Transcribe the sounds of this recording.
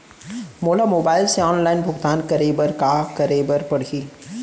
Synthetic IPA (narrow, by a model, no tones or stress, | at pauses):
moːlamoːbaːɪlseɔːnlaːɪnbʱʊɡt̪aːnkɐɾeːbəɾkakɐɾeːbəɾpɐɽ̤i